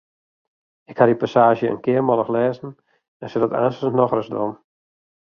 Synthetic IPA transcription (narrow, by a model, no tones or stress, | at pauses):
ɪkhadipasaːʒjəə̰nkɪərmɔlˠəxlɛːzn̩ | ɛnsɪdɔta̰ːnsənnɔxrəsdɔ̰n